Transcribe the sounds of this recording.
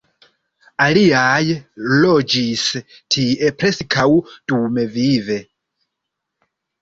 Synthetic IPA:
aliajlo̞d͡ʒis | tʰiʔe̞pɾeskʰawd̥ume̞vive̞

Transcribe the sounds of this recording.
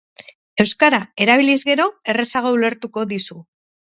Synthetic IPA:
e̞wskaɾae̞ɾaβ̞ilizɣe̞ɾo̞e̞re̞saɣ̞oule̞ɾt̪uko̞ðisu

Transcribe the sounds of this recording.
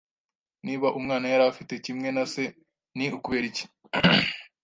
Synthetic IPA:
niːβaʔumŋaːnajaɾafitecimŋe̞nase̞ | niukuβeɾici̥

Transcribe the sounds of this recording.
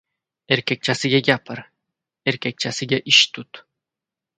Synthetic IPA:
e̞ɾkʲek̚ʲt͡ʃʰasɪɡʲaɡʲapʰɪɾ | eɾkʲʰek̚ʲt͡ʃʰasɪɡʲaʔɪʃt̪ʰʊt̪

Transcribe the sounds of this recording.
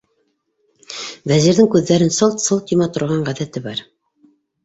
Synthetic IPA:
væziɾðɘŋkʉðːæɾɘnsɤlˠt̪sɤlˠt̪jŏmɑt̪ŏɾʁɑɴʁæðæt̪ɘbɑɾ

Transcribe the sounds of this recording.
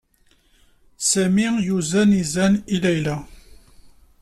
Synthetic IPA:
sæmijuzænizænilæjlæ

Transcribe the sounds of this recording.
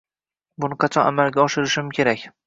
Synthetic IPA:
bʊnɨqʰɑt͡ʃʰɒnamalɡʲaɒʃɪɾɪʃɪmkʲʰe̞ɾakʲ

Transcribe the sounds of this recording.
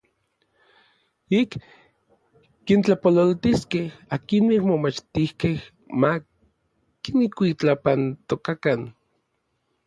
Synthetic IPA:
ik | int͡ɬapololt̪iskehakinmikmomat͡ʃt̪ihkeh | ma | kinikʷit͡ɬapant̪okakan

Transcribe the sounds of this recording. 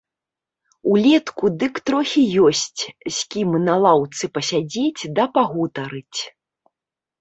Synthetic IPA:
ulʲɛt̪kud̪ɨkt̪ɾɔxʲijɔsʲt͡sʲsʲkʲimɨnɐlˠawt̪sɨpɐsʲad͡zʲet͡sʲd̪ɐpaɣut̪ɐɾɨt͡sʲ

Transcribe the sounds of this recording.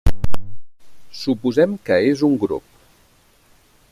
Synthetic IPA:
supuzɛmkəezuŋɡɾo̰p̚

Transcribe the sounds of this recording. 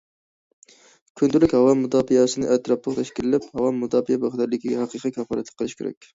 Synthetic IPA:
kʲʰynd̪ylykʲhɑwɑmːud̪ɑːfijɑsɨnɨʔɛt̪ʰɾɑplˠəqt̪ʰɛʃkʲilɪlɪphɑwɑmːud̪ɑːfijɛbɑʁd̪æɾd̪ɪkʲiɡʲɛɦɑqiqʰikʲʰɑfɑlˠɛt̪ʰlɨ̥qʰəlˠɨʃkʲʰḛɾɛ̰kʲ

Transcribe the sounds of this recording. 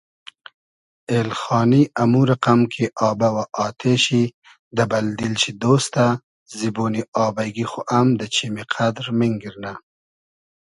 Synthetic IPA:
elxɑːniʔamuɾaqamkʰeʔɑːbawaʔɑːt̪ʰeɕi | d̪əbald̪ilʃid̪ost̪a | ziboːniʔɑːbajɡixoʔamd̪ət͡ʃʰimiqʰad̪ɾmiŋɡiɾna

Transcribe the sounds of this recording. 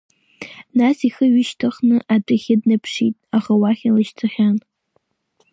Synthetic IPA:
nasiχəɥɪʃtʰɨχnɨʔaʈ͡ʂʷʼɨχʲɪdnɨpʰʂitʼaχawaχʲalɨʃtʰɨχʲan

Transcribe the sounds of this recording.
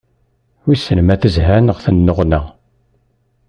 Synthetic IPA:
wisənmæθəzɦænəʁθənːoʁnə

